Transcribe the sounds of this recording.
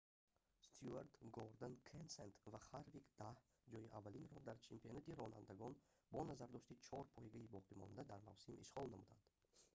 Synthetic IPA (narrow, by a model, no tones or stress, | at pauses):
st̪ʰjuaɾt̪ɡɔɾd̪enkʰensent̪vaχaɾvikd̪̥ah | d͡ʒɔjiʔavːalinɾɔhd̪aɾt͡ʃʰempʰionat̪iɾɔna̰nd̪aɡɔn | bɔnazaɾd̪ɔʃt̪it͡ʃʰɔɾpʰɔjiɡaibɔqʰimɔ̰nd̪ad̪aɾma̰vsimḭʃʁɔlnamud̪a̰nd̪̥